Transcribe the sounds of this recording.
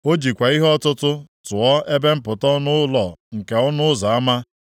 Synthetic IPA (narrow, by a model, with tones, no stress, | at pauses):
o˦d͡ʒi˨kʷa˨i˦ɦɔ˦tʊ˦tʊ˦tʊ˨ɔ˦e˦be˦m̩˦pʊ˨tɔ˦nʊ˦lɔ˦˨ŋ̩˨ke˨ɔ˦nʊ˦za˨a˦ma˦